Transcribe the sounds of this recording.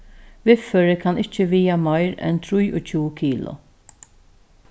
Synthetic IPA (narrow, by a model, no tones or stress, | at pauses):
vɪfːɔɾɪkɐnɪt͡ʃːɪviːjɐmɐjɾɛ̰nt̪ɾʊjʊt͡ʃuːkiːlʊ̰